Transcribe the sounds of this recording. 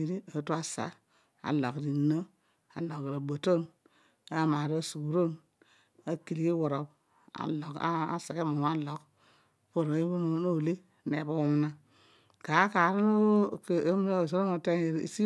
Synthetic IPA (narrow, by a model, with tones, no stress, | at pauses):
i˨ɾi˦a˨˦tu˦a˦sa̰˨ | a̰˨lo˨kdi˨nːo˦ | a̰˨lo˨kːi˨ɾa˨bo˨to˦n | a˦ma˨ɾa˦su˨ku˨ɾo˦n | a˦ki˨li˨ki˦wo˨ɾo˨p | a̰˨lo˨ka̰˦a̰˦sa˨ke˦mu˨m˦a˦lo˨k | po˦˨ɾo˨˦i˦u˦n˦no˦˨le˦ | ne˨bo˦wu˦m˦na˦ | ka˨˦ka˨ɾo˦no˦˨kːm˦no˦˨s̬o˦ɾo˦no˨te˦ne˨ɾ̰si˦